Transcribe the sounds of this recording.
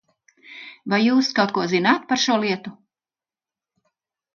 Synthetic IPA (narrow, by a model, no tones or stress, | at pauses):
vajːuːskawt̪̚kuɔzinaːt̪paɾʃuɔlˠiɛt̪u